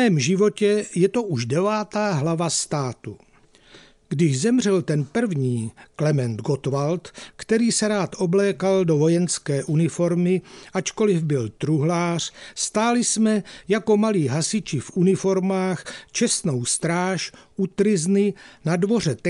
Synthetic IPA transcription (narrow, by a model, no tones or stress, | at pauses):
ɛːmʒɪvo̞cɛjɛt̪oʔuʒdɛvaːt̪aːɦlavast̪aːt̪u | ɡdɪʒzɛmr̝ɛlt̪ɛnpr̩vɲiːklɛmɛnd̪ɡot̪valt̪kt̪ɛɾiːsɛɾaːt̪ʔoblɛːkaldovo̞jɛnskɛːʔunɪfo̞ɾmɪʔat͡ʃko̞lɪvbɪlt̪ɾuɦlaːr̝̥st̪aːlɪsmɛjako̞maliːɦasɪt͡ʃɪfʔunɪfo̞ɾmaːxt͡ʃɛst̪no̞wst̪ɾaːʃʔut̪ɾɪznɪnadvo̞r̝ɛt̪ɛ